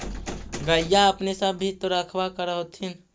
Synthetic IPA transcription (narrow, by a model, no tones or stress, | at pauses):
ɡəjaəpnesəbːʱit̪oɾəkʰbakəɾəɦot̪ʰin